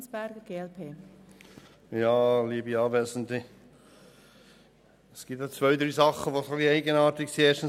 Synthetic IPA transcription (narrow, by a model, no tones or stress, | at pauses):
sb̥æɾɡəɡ̥eːɛlpʰeː | jɑːliːəbiɑːvɛsn̩ti | sɡ̥ip̚t̪at͡svœʏd̪ɾiːsɑχəʋosoxliɛɪɡənɑːtɪksieːʃtən̩